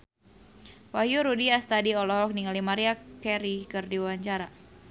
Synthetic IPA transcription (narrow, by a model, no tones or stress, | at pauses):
wahjuɾudiast̪adiɔlɔɦɔk̚niŋalimaɾiakkɛɾikɨrdiwaɲt͡ʃaɾa